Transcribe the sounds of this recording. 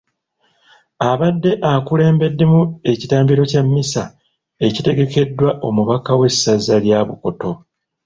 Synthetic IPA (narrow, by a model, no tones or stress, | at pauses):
aβadːe̞ʔakule̞ːmbe̞dːe̞mue̞citaːmbiɾo̞camːisa | e̞cite̞ɡe̞ke̞dːwaʔo̞muβakawe̞sːazaljaβuko̞to̞